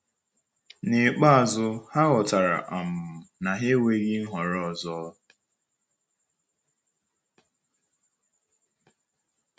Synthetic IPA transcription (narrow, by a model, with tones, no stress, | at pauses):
ne˨k͡pa˦a˨zʊ˦ha˦ɣɔ˨ta˨ɾa̰˨ʔa˨m̩˨m̩˨na˨ɦe˦we˦ɣi˦n̩˦ɦɔ˨ɾɔ˦ɔ˨zɔ˦